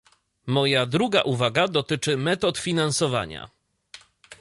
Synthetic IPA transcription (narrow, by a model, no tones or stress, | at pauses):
mɔjad̪ɾuɡa̰ʔuvaɡad̪ɔt̪ɘt͡ʂɘmɛt̪ɔt̪fʲinansɔva̰ɲa̰